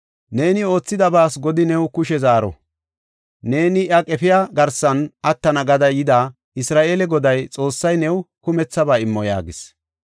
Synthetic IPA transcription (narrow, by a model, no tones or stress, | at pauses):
ne̞ːnɪo̞ːt͡sːɪd̪ɐbaːsɡɔd̪ɪnɛwkʊʃɛzaːɾɔ̰ | ne̞ːnɪʔɐkʼɛfɪjaɡɐɾsɐnɐt̪ːɐnɐɡɐd̪ɐjɪd̪a | ɪsɾaːʔeːlɛɡɔd̪ɐjt͡sʼo̞ːsːɐjnɛwkʊmɛt͡sːɐbaːɪmːɔja̰ːɡɪs